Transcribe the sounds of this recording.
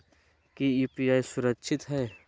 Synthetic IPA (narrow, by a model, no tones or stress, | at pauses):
kiiːpiaːisʊɾəkʃʰɪt̪ɦɛː